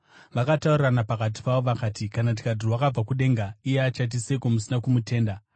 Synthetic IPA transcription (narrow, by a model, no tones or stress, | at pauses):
ʋakatauriranapakat̬i̥pawo̞ʋakaːtikanat̬i̥kadirwakab͡vakuɗe̞ŋɡaijeat͡ʃat̬isekomusinakumute̞ːnda